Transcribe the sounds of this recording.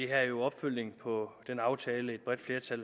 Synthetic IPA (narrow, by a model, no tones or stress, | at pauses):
iɦæjo̝ɒ̽b̥føl̰ne̝ŋpʰɒ̽d̥enɑ̈ʊt͡sʰɛːləe̝d̥b̥ʁɛd̥fle̝ɐt͡sʰæl